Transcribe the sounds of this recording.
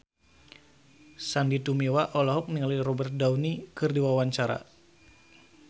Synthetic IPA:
sandit̪umewaʔɔlɔɦɔk̚niŋalirɔbɛrt̪̚daunikɨrdiwawaɲt͡ʃaɾa̰

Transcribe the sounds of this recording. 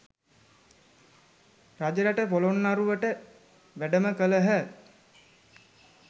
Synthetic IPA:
rad͡ʒəɾəʈəpolonːaɾuʋəʈə | ʋæɖəməkələɦə

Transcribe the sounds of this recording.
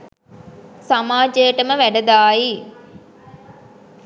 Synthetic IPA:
samaːd͡ʒəjəʈəməʋæɖəd̪aːji

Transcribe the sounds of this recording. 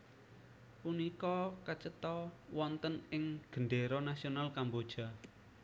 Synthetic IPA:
punikɔkət͡ʃət̪ɔwɔnt̪ənɪŋɡ̥əɳɖeɾɔnasionalkambod̥ʒ̥a̤

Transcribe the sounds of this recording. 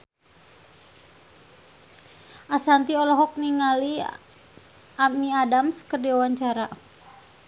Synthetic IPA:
ʔasant̪iɔlɔɦɔk̚niŋali | amiadamskərdiawaɲt͡ʃaɾa

